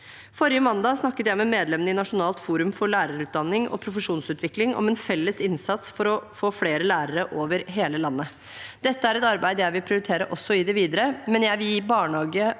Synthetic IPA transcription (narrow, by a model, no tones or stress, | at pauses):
fɔɾɪəmɑnd̪ɑːsnɑkːət̪jæɪmɛmeːd̪lɛmənəɪnɑʂʊnɑːlt̪fuːɾʉmfɔɭæːɾəɾʉːt̪̚d̪ɑnːɪŋɔ̰pʰɾʊfəʂuːnsʉːt̪ʋɪklɪŋɔ̰mɛnfɛlːəsɪnsɑt̪sfɔɾɔfoːfleːɾəlæːɾəɾəʔoːʋəɾɦeːləlɑnːə | d̪̥ɛt̪ːəæɾɛt̪ɑɾbæɪd̪əjæɪʋɪlpʰɾɪʊɾɪt̪ʰeːɾəʔɔsːɔɪd̪ɛʋiːd̪əɾəmɛnjæɪʋiːbɑːɳhɑːɡə